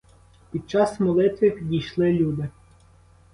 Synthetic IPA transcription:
pʲid̪̚t͡ʃɑsmɔlˠɪt̪ʋʲɪpʲid̪ʲijʃlˠɪlʲud̪ɪ

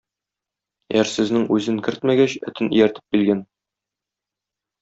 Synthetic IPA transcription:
æɾsɘ̆znɘŋʉzɘŋkɘɾt̪mæɡæɕɵ̰̆t̪ɘnḭ̆jæɾt̪ɘ̥p̚kilɡæn

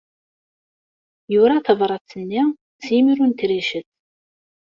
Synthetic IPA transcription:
juɾaθəvɾˤɑt͡sːənːi | t͡sːjimiɾunt̪ɾiʃəθ

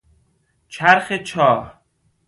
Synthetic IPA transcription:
t͡ʃʰæɾxet͡ʃʰɒːh

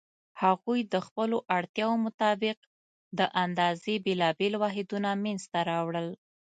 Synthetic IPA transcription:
haɣujd̪əxpəloʔaɽt̪jɑwomʊt̪ɑbɪq | d̪əʔand̪ɑzebelɑbelwɑɦɪd̪unamenzt̪aɾɑwɽəl

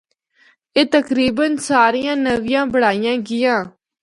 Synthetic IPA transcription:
eːt̪əkɾiːbənsaːɾijãːnəʋɪjãːbəɽaːijãːɡɪjãː

